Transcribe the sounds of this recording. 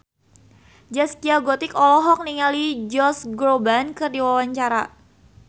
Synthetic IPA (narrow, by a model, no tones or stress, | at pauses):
d͡ʒaskiaɡɔt̪ɪkɔlɔɦɔk̚niŋalid͡ʒɔsɡɾobankɨrdiwawaɲt͡ʃaɾa